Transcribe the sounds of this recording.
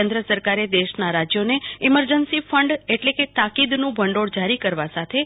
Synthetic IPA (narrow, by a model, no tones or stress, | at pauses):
end̪ɾəsəɾkaɾed̪eʃnaɾad͡ʒjoneiməɾd͡ʒənsifəɳɖeʈleket̪akid̪nũbʱəɳɖoɽd͡ʒaɾikəɾʋasat̪ʰe